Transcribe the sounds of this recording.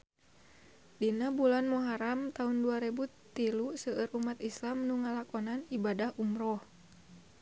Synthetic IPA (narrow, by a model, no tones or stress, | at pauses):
dinabulanmuɦaɾamt̪aunduaɾebu | t̪ilusəʔəɾʔumat̪islamnuŋalakɔnanibadahʔumrɔh